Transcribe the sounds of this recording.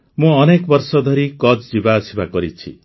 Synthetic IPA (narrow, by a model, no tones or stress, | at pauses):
mũɔnekɔbɔɾsɔd̪ʱɔɾikɔt͡ʃd͡ʒibaɔsibakɔɾit͡ʃʰi